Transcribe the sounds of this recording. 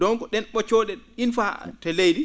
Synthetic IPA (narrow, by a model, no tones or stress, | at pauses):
dɔŋkɔɗɛnɓɔt͡ʃɔːɗɛinfa̰tɛlejdi